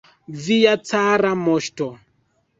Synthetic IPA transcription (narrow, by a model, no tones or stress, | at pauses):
vijat͡saɾamɔʃtɔ